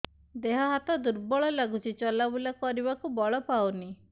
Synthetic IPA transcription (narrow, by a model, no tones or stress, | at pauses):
d̪eɦɔɦat̪ɔd̪uɾbɔɭɔlaɡut͡ʃʰit͡ʃɔlabulakɔɾibakubɔɭɔpawni